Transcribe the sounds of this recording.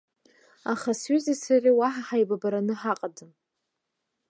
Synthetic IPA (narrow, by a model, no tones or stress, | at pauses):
aχasɥizisarʲiwaħaħajbabaɾanɨħaqʼadɨm